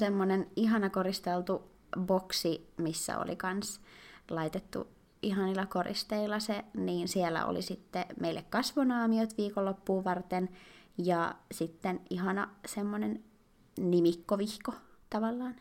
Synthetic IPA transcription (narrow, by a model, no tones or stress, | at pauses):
semːoneniɦɑnɑkorist̪elt̪u | boksimisːæ̰o̰lḭkɑnslɑit̪et̪ːṵ | ʔihɦɑnilːˑɑkorḭst̪eilːˑɑseniːnsiɛlːæ̰o̰lḭsit̪ːemeilːekkɑsʋonɑːmiot̪ʋiːkolːopːuːʋɑrt̪enjɑsit̪ːeniɦɑnɑsemːonen | nimikːoʋihkot̪ɑʋɑlːɑːn